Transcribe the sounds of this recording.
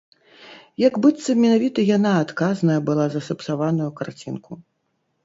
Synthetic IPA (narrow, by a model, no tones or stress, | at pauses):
jaɡbɨt̪sɐmʲɛnavʲit̪ɐjanaːt̪kaznɐjɐbɨlˠazɐsɐpsavanujukart͡sʲinkʰu